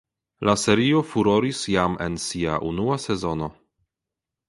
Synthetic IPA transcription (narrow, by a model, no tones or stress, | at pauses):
lase̞ɾio̞fuɾo̞ɾisjame̞̰nsia̰ʔunuase̞zo̞no̞